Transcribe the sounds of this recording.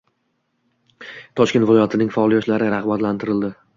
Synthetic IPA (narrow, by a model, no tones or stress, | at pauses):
t̪ʰɒʃkʲnt̪vɪlˠɒjat̪ʰɪnɪŋfaːlˠijɒʃlaɾɪɾaʁbat̪lant̪ʰɪɾɪld̪ɪ